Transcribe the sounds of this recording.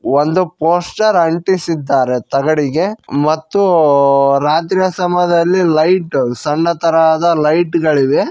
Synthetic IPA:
ʋond̪upoːsʈɐɾɐɳʈisid̪ːaːɾet̪ɐɡɐɽiɡe̞mɐt̪ːu | ɾaːt̪ɾijɐsɐmɐd̪ɐlːilɐjʈsɐɳːɐt̪ɐɾad̪ɐlɐjʈɡɐɭiʋe

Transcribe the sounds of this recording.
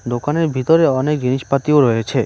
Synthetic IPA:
d̪okaneɾbʱit̪oɾeɔnek̚d͡ʑiniʃpat̪ioɾɔet͡ɕʰe

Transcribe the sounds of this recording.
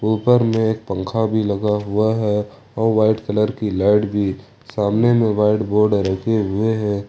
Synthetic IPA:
puːlpəɾmẽeːk̚pə̃ŋkʰabʱilɐɡaɦʊaɦɛ | ɔːɾʋaːɪʈkələɾkilaːɪʈbʱi | saːmnemẽʋaːɪʈboːɾɖɾəkʰeɦʊeɦɛ̃ː

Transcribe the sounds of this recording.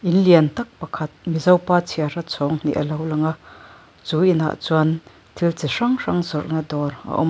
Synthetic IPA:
ʔɪnliɐnt̪ɐk̚pɐkʰɐt̪̚mizɐwpaːt͡sʰiarɐt͡sʰɔːŋn̥ḭʔɐlɐwlɐŋaʔ | t͡suːʔina̰ʔt͡swɐn | t̪ʰilt͡siʂɐŋʂɐŋzɔrʔnad̪ɔːrʔa̰ʔɔ̰m

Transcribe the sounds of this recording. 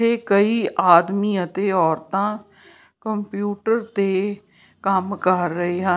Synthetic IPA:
eːkəiːʔaːd̪miːət̪eːɔːɾt̪ãː | kəmpjuːʈəɾt̪eː | kəmkəɾːəɦeːɦə

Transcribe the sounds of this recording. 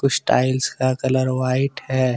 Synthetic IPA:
kʊt͡ʃʰsʈaːɪlskakɐləɾʋaːɪʈhɛː

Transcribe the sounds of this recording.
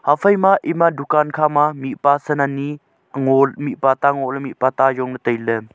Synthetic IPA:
hapʰəjmaʔimadukankʰamamiʔpasənani | ŋɔlmiʔpat̪aŋɔʔləmiʔpat̪ajɔŋnətəjlə

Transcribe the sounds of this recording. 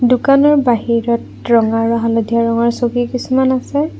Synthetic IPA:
dukanɔɹbaɦiɹɔt | ɹɔŋaɹɔɦalɔdʱiaɹɔŋaɹsoɡikisumanasɛ

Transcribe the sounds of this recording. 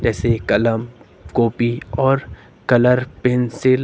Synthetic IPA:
d͡ʒɛːsekɐləm | koːpiɔːɾ | kɐləɾpensɪl

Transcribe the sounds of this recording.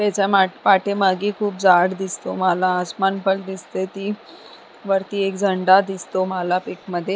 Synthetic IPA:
t̪et͡ɕamaʈpaʈeməɡiːkʰuːp̚d͡zaɽd̪ist̪omalaəsmanpəld̪ist̪et̪iː | ʋəɾt̪iːekd͡zʱəɳɖad̪ist̪omalapikməd̪ʱːje

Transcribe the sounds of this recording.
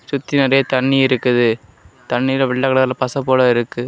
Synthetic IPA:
sʊt̪ːinɪɾɐjɐt̪ɐɳːiɪɾɯkːɯðɯ | t̪ɐɳːilɐʋɪɭːɐkɐɭɐðɐlɐpɐsɐpːoːɽɐɪɾɯkːɯ

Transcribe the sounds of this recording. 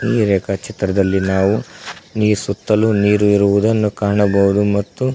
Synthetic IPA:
iːɾeːkɐt͡ʃʰit̪ɾɐd̪ɐlːinaːʋuniːsut̪ːɐluniːɾuiɾuʋud̪ɐnːukaːɳɐbɐɦud̪umɐt̪ːu

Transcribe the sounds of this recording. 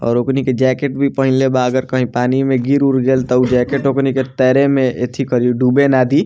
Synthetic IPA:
ɔ̰ːɾokniked͡ʒɛːkeʈ̚bʱipəɦɪ̃lebaəɡəɾkəɦĩpaːnimẽɡiɾuɽɡeːlt̪əud͡ʒɛːkeʈokniket̪ɛːɾemẽḛt̪ʰikəɾiɖuːbenaːd̪i

